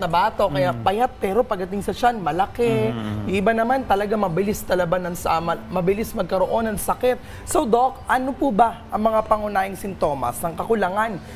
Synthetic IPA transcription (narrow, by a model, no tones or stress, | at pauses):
nɐbaːt̪okɐjapɐjat̪̚pɛːɾo̞pɐɡd̪ɐt̪ɪŋsɐʃanmɐlɐkɛʔɪbanɐmant̪ɐlɐɡaŋmɐbɪlist̪ɐlɐbanɐŋsɐmɐbɪlismɐɡ̚kɐɾo̞ʔo̞nːɐŋsɐkɛt̪̚ | sowd̪o̞kʔɐnopubɐʔɐŋmɐŋapɐŋʊnaːhɪŋsɪnt̪o̞ːmɐ̰snɐŋkɐkʊlɐŋan